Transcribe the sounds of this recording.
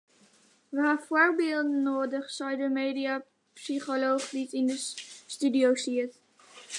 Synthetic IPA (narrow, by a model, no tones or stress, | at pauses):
ʋaːfoːɹbɪːlˠdənoːdəχsɔjdəmeːdia | psiχolowχditɪndəstydiowsit